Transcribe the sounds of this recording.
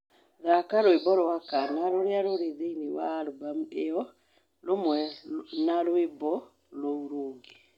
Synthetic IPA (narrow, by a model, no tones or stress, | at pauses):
ðakaɾoebɔɾowakanaɾoɾeaɾoɾeðeinewaɾobam̩eɔ | lomwɛnaɾoebɔ | louɾoːŋɡe